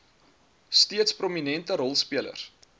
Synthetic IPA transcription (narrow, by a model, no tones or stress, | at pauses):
stiətspruminɛntəɾɔlˠspiələ̰r